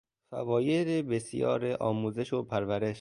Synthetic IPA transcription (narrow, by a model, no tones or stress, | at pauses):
fæ̰vɒːje̞ɾebesjɒ̰ːɾeʔɒːmuːze̞ʃopʰæɾvæɾe̞ʃ